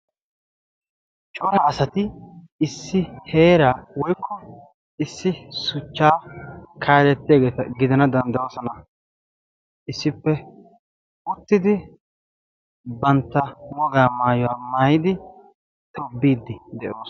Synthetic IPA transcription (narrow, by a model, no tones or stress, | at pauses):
t͡ʃʼɔɾɐːsɐt̪ɪ | ɪsːɪhe̞ːɾaːwɔjkːɔ | ɪsːɪsʊt͡ʃːaːkʰaːlɛt̪ːɪjɐɡeːt̪ɐɡɪd̪ɐnɐd̪ɐnd̪ɐwɔːsɔnɐ | ɪsːɪpːɛ | ʊt̪ːɪd̪ɪ | bɐnt̪ːɐŋɔɡaːmaːjɔwaːmaːjɪd̪ɪ | t̪ɔbːiːd̪ːɪd̪ɛʔoːs